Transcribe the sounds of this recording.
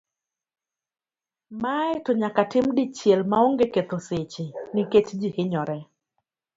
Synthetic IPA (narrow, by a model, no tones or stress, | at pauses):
maɛtɔɲakatɪmdit͡ʃjelmaoŋɡeket̪oset͡ʃiniket͡ʃd͡ʒihɪɲɔɾɛ